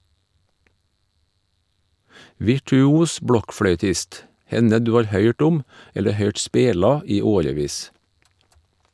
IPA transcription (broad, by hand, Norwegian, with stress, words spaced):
ʋɪʈʉˈuːs ˈbɽɔkfɽœʏˌtɪst ˈhɛnə ˈdʉː ˈɑːɾ ˈhœʏʈ ˈʊm ˈɛlə ˈhœʏʈ ˈspeːlɑ ˈiː ˈoːɾəˌʋiːs